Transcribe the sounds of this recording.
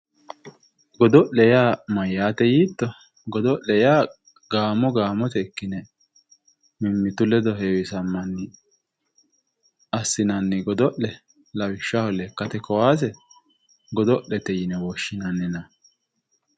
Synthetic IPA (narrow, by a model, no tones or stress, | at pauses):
ɡɔd̪ɔʔɛjaːmɐjːaːt̪ɛjiːt̪ːɔ | ɡɔd̪ɔʔɛjaː | ɡaːmɔɡaːmɔt̪ɛkːɪnɛ | mɪmːɪt̪ʊlɛd̪ɔɦeːwɪsɐmːɐnːɪ | ɐsːɪnɐnːɛɡɔd̪ɔʔlɛ | lɐwɪʃːahɔlɛkːɐt̪ɛkɔwaːs̬ɛ | ɡɔd̪ɔʔɛt̪ɛjɪnɛwɔʃːɪnɐnːɛnɐ